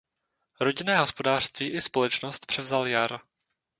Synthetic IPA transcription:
ɾo̞ɟɪnɛːɦo̞spo̞daːr̥st̪viːʔɪspo̞lɛt͡ʃnost̪pr̝̥ɛvzaljaɾ

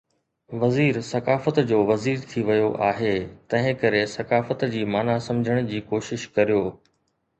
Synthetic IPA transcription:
ʋɐziːɾsɐkaːfət̪d͡ʑoːʋɐziːɾt̪ʰiʋɐjoʔaːɦeːt̪ɐ̃ɦɪ̃kɐɾesɐkaːfət̪d͡ʑiːmaːnasɐ̃md͡ʑʱəɽ̃̆d͡ʑiːkoːʃɪʃkɐɾijoː

